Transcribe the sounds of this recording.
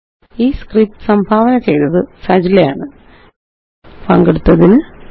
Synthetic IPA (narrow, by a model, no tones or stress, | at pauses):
iːskrip̚ʈɨ̥sɐmbʱaːʋɐnɐt͡ɕe̞jnɐðɨsɐd͡ʑilɐjaːɳɨ | pɐŋɡeɽut̪ːɐðinɨ